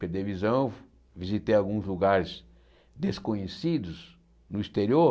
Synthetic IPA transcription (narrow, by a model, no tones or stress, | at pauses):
peɾd̪evizɐ̃w̃ | vizit̪ejawɡũzluɡaɾɪz | d̪eskõɲesid̪ʊz | nʊist̪eɾio